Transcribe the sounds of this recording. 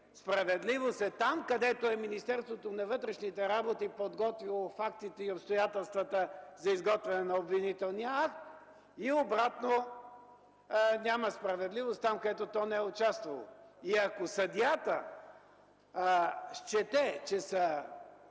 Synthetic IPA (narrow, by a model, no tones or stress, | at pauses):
spɾɐvɛd̪livosɛt̪amkɐd̪ɛt̪oɛminist̪ɛɾst̪vot̪onɐvɤt̪ɾɛʃnit̪ɛɾabot̪ipod̪ɡɔt̪vilˠofakt̪it̪ɛiopst̪ojat̪ɛlˠst̪vət̪əzɐizɡɔt̪vɛnɛnɐobvinit̪ɛlˠnijəakt̪ | iobɾat̪no | nʲaməspɾɐvɛd̪livost̪t̪amkɐd̪ɛt̪ot̪ɔnɛɛʊt͡ʃast̪vɐlˠo̰iɐkosɐd̪ijat̪ə | ʃt͡ʃɛt̪ɛt͡ʃɛsə